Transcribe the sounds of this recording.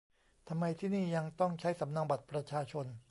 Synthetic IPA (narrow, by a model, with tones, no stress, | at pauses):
t̪ʰa˧mːa˧jt̪ʰiː˥˩niː˥˩ja˧ŋt̪ɔ˥˩ŋt͡ɕʰa˦˥jsa˩˦mna˧ŋba˨˩t̪̚pɾa˧t͡ɕʰaː˧t͡ɕʰo˧n